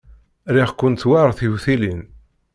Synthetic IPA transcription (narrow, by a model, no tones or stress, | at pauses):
ɾiʁkːʊnwaɾˤθiwθilin